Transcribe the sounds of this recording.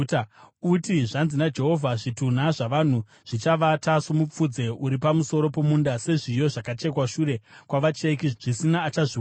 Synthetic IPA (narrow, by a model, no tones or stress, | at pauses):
utiʐanzinad͡ʒe̞ɦo̞vʱaʐitun̤aʐaʋan̤u | ʐ̥it͡ʃaʋataʂomup͡fud͡ze̞uɾipamuso̞ɾo̞po̞mundase̞ʐijo̞ʐakat͡ʃe̞kwaʃuːɾe̞kwaʋat͡ʃekiʐ̥isinaːt͡ʃaʐi